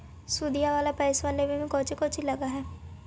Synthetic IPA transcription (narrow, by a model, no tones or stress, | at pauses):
suːd̪ijaʋaːlapɛːɪsʋaːleʋĩʋĩkɔːt͡ʃikɔːt͡ʃiləɡaɦɛː